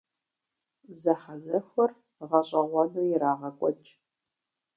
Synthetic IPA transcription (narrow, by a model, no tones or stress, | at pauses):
zɐħazɐxʷɐr | ʁɐɕʼɐʁʷɑnuːjɪɾaːʁɐkʷʼɔt͡ʃʼ